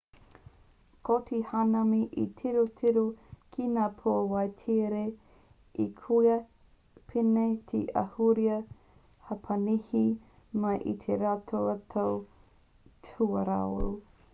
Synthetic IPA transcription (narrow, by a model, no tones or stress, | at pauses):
kotʰihanɐmiʔḭtʰiɾotʰiɾokʰinaːpʰoɐwɐjtʰiɾe | ikʰujɐ | pʰinetʰḭʔɐ̰huɾiɐ | hɐpʰɐnihi | mɐjʔḭt̪ʰeɾatʰoɐtʰow | tʰuɐɾa̰o̰ɾu